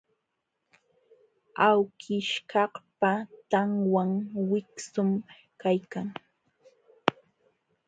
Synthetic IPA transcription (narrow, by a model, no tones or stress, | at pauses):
awkʰɪʃkɑhpat̪aŋwaŋwɪksʊm | kajkaŋ